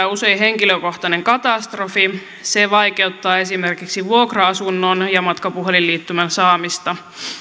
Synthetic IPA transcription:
use̞jɦeŋkiløko̞ht̪ɑne̞ŋkɑt̪ɑst̪rofi | seʋɑjke̞ut̪ːɑːe̞simerkiksiʋuokroɑsunːonjɑmɑt̪kɑpuɦelilːiːt̪ːymænsɑːmist̪ɑ

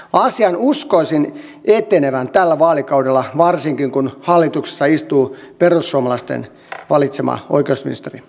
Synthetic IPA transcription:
ɑsiɑnuskoisin | et̪eneʋænt̪ælːæʋɑːlikɑudelːɑʋɑrsiŋkiŋkunhɑlːit̪ukse̥sːɑist̪uːperusːuomɑlɑst̪ḛn | ʋɑlit̪semɑ̰ʔo̰ikeusmḭnist̪eri

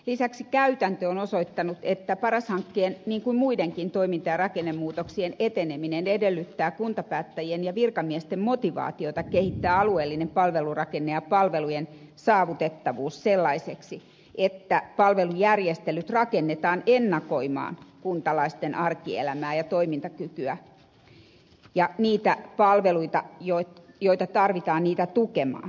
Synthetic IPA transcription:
lisæksikæyt̪ænt̪øonosoit̪ːɑnut̪et̪ːæpɑrɑshɑŋkːeːnniːŋkuimmuideŋkint̪oimint̪ɑjɑrɑkenːemmuːt̪oksienet̪eneminenedelːyt̪ːæːkunt̪ɑpæːt̪ːæjienjɑʋirkɑmiɛst̪emmot̪iʋɑ̰ːt̪iot̪ɑkehit̪ːæːɑlueːlːinempɑlʋelurɑkenːeɑpɑlʋelujen | sɑːʋut̪et̪ːɑʋuːsselːɑiseksi | ʔet̪ːæpɑlʋelujærjest̪elyt̪rɑkenːet̪ɑːnenːɑkoimɑ̰ːnkunt̪ɑlɑist̪enʔɑrkiḛlæmæːjɑt̪oimint̪ɑkykyæ | jɑniːt̪æpɑlʋeluit̪ɑjot̪ | joit̪ɑt̪ɑrʋit̪ɑːnniːt̪æt̪ukemɑ̰ː

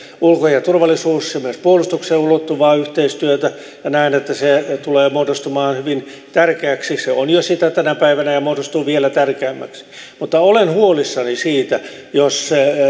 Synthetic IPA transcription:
ulkojɑt̪urʋɑlːˑisuːssemyønspuolust̪ukseːulot̪ːuʋɑːyht̪eist̪yøt̪æ | jɑnæinet̪ːæset̪uleːmoːdost̪umɑːnhyʋin | t̪ærkeæksiseonjosit̪æt̪ænæpæiʋænæjɑmodost̪uːʋielæt̪ærkeæmːæ̰ksi̥mut̪ːɑolenhuolisːɑnisiːt̪æ | josse

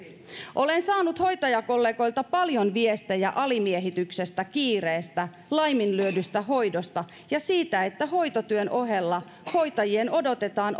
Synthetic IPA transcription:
ʔo̞lensɑːnut̪ho̞jt̪ɑjɑko̞lːe̞ːɡo̞jlt̪ɑpɑljo̞nʋiest̪æjɑʔɑlimieɦit̪ykse̞st̪ækiːreːst̪æ | lɑjminlyødyst̪æɦo̞jdo̞st̪ɑ | jɑsiːt̪æe̞t̪ːæɦo̞jt̪ot̪yønʔo̞ɦe̞lːɑ | ho̞jt̪ɑjieno̞do̞t̪e̞t̪ɑːn

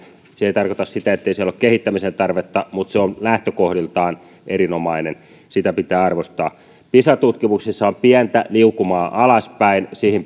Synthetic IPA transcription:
seijt̪ɑrkot̪ɑssit̪æet̪ːeisiælokkehit̪ːæmisent̪ɑrʋet̪ːɑmut̪seonlæht̪økohɾilt̪ɑːn | ʔeɾinomɑinen | sit̪æpit̪æːɑrʋost̪ɑː | pisɑt̪ut̪kimuksisːɑompiænt̪æ̰liukumɑːʔɑlɑspæinsihim

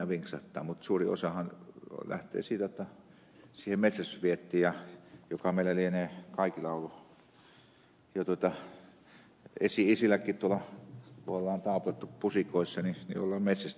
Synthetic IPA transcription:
æʋiŋksɑ̰ht̪ːɑ̰ːmut̪suːrio̰sɑhɑnlæ̰ht̪ˑḛːsiːt̪æjot̪ːɑ | siːhemmet̪sæsʋiet̪ːiːjɑjokɑmeˑilælieneːkɑikilɑˑulu | jɑt̪uot̪ɑ | esiisilækːˑiːt̪t̪uolɑt̪uɑlːˑɑːnt̪ɑˑuplɑt̪ːuppusikoisːɑninḭo̰lːɑːmmet̪sæs

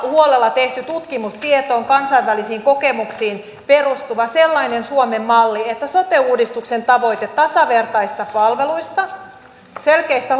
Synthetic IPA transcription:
huolelːɑt̪eht̪yt̪ut̪kimust̪iet̪o̞ːŋkɑnsɑiʋʋælisiːŋko̞kemuksiːn | perust̪uʋɑselːɑinensuomemːɑlːiet̪ːæsot̪euːdist̪uksent̪ɑʋo̞it̪et̪ːɑsɑʋe̞rt̪ɑist̪ɑpɑlʋeluist̪ɑ | selkeist̪æ

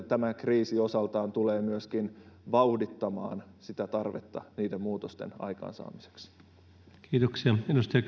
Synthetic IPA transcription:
t̪æmækriːsio̞sɑlt̪ɑːnt̪uleːmyəskinʋɑudit̪ːɑmɑ̰ːnsit̪æt̪ɑrʋet̪ːɑniːdemmuːt̪ost̪ḛnɑ̰jkɑ̰ːnsɑ̰ːmise̥ks | kʰiːt̪oksiɑedust̪ɑjɑ

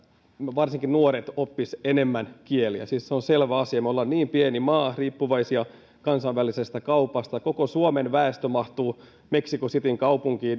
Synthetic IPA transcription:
ʋɑrsiŋkinnuoɾet̪opːisenemːænkieliæ̰siːsseonselʋæɑsiɑmolːɑnniːmpienimɑːriːpːuʋɑisiɑ | kɑnsɑʋʋælisest̪ækɑupɑst̪ɑkokosuomenʋæest̪ømɑht̪uː | meksikosit̪iŋkɑupuŋkiːn

